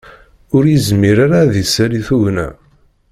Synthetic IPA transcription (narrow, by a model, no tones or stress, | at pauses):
ʊɾjəzmiɾaɾaðisaɾiθuʝnæ̰